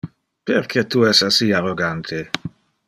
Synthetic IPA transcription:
peɾkʰet̪uɛsasiaroɡant̪ʰe

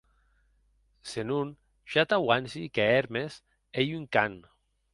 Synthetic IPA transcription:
senun | ʃat̪awansikeeɾmes | ejyŋkan

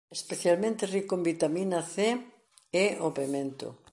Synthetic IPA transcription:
espeθjalmẽnt̪erikombit̪aminaθe | eopemẽnt̪ʊ̰

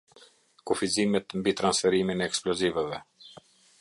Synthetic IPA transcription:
kufizimɛt̪mbit̪ɾansfɛɾiminɛːksplɔzivəvɛ

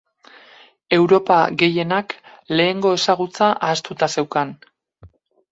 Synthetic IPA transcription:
e̞wɾo̞paɣe̞je̞nak | le̞ːŋɡo̞e̞saɣ̞ut͡saʔaːst̪ut̪ase̞wkan

